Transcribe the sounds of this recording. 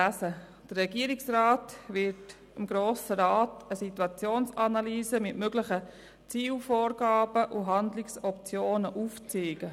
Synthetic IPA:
æsə | d̥ərːɛɡiəɾiksraːtvɪɾt | ɪmɡɾoːsəɾɑːtəsituɑt͡sjoːnsɑnɑlyːzəmɪtmøɡlɪχə | t͡siːlfoːɾɡ̥ɑːbəʔuɦɑndlɪksɔpt͡sjoːnəʔuft͡siːɡ̥ə

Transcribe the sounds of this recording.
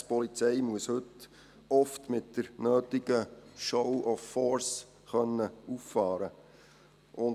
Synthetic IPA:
spɔlit͡sɛɪmuəshɵt | ɔftmɪtd̥əɾnøːtɪɡ̥əʃɔwʔɔfːɔɾs | χœnːəuffɑːɾə | ʔʊn

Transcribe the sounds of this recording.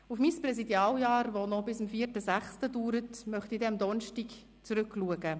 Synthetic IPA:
ufmiːspɾɛsidjɑːljɑːɾʋonɔbɪsəmfiːərtəsæχstəduːɾətmœχt̪idɛmd̪ɔnʃtik | t͡suɾʏkluəɡə

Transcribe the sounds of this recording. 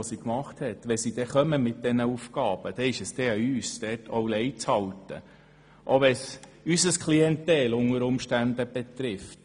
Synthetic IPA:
osikmɑχthɛtʋɛsid̥̪ɛχœməmɪt̚dɛnəufkɑːb̥əd̥ɛɪʃəsd̥ɛɑyːsd̥ɛːtʰowlɛjt͡shɑltə̰ | ʔoʋɛsysəskʰliɛnt̪ɛːlʊŋəɾʊmʃtænd̪əb̥et̪ɾɪft

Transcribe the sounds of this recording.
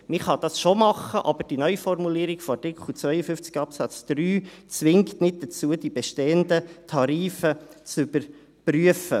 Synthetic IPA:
mɪχɑd̥̪ɑsʃomɑχəʔɑb̥əɾd̥inœʏfɔrmuliːɾɪkfɔɑtɪkχlut͡sʋœʏəfʏft͡sɡɑpsæt͡sd̪̥ɾyːt͡sʋɪŋktnɪt̚d̥̪ət͡suəd̥ibɛʃteːənd̪ətʰɑɾiːfət͡sʏbəɾ | pryəfə

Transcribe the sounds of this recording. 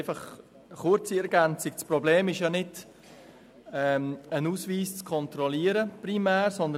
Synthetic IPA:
ɪfɑχ | χʊɾt͡siɛɾɡɛnt͡sɪkt͡spɾɔbleːmɪʃjanɪd̥ | ɛənuːsviːst͡skʰɔnt̪ɾɔliəɾəpɾimæːɾsɔnd̪ə

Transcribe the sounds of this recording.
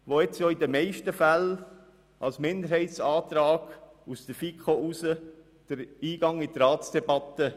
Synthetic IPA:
ʋoɛt͡sjoːidəmeɪʃtəfæl | ʔɑlsmɪnd̪əɾhɛɪtsɑːt̪ɾɑːɡ̥ | usd̥̪əfikχoʔusə | d̥əɾiːɡ̥ɑŋit̪ɾɑːtsd̥ɛbɑt̪ːə

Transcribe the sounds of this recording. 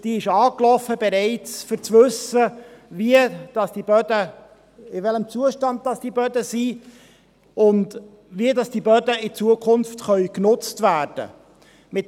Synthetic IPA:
d̥iːɪʃɑːklɔfəbɛɾeɪt͡sfʏɾt͡svɵsəviəd̥ɑsd̥ibœdə | ɪvɛləmt͡suəʃtɑnd̚dɑsd̥ibœdəsi | ʔʊnd | viədɑsd̥ibœdəɪt͡suəkʰʊnftχœʏknʊt͡stvæːrd̥ə̰ | mɪt

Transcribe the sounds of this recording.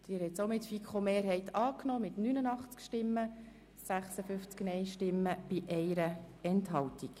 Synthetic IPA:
d̥̪iːɾhɛtsomɪtfikʰχomeːɾɦɛɪtʰɑːknoːmɪtnynənɑχt͡skʃtɪmːə | sæχsəfʏft͡sknɛɪʃtɪmːəb̥iʔɛɪɾəɛntɦɑwtik

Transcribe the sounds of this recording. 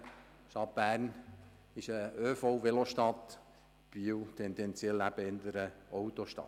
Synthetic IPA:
ʃtɑt̚b̥æːɾn | ɪʃəøːfowʋeloʃtɑt̪ | b̥iwt̪ʰɛnd̪ɛnt͡sjɛlæb̥əɪnd̪əɾəʔɔwt̪oʃtɑ̰t

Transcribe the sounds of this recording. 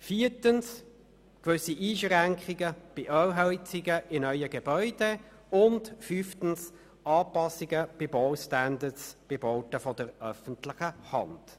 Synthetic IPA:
fiːtəns | kʋʏsiʔiːʃʁæŋkχiɡəb̥ɪʔœwɦœlt͡siɡəʔɪnœʏəɡebœʏd̥e | ʊndfyftən̩s | ɑːpɑsiɡəb̥ɪboʊstændətsb̥ɪboːtəfɔdəɾœfən̩tlɪχəhɑ̰nd̥

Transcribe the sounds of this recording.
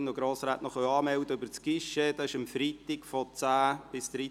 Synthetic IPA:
nɔɡɾoːsɾaːtnɔχəɑːmɛwdəøbəɾt͡skɪʃəd̥ɑɪʃəmfrit̪ɪkfɔt͡sæːb̥ɪsd̥ɾi

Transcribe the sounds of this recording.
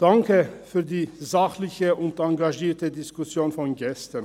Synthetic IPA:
d̥aŋkəfyːɐdiːzaχlɪçəʔʊntaŋɡaʒiːɐtədɪskʊsjoːnfɔnɡɛstən

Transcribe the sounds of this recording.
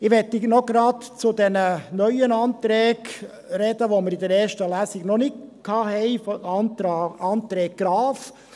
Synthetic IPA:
ɪʋɛt̪ːinɔɡɾɑtt͡sʊd̪ɛnənœʏənɑːnt̪ɾɛːɡ | ɾɛd̪əʋoməɾid̪əɾɛːɾʃtəlæsɪɡnɔnɪkkʰɑːɦɛɪf | ɑnt̪ɾɛːk̚ɡ̥ɾɑːf

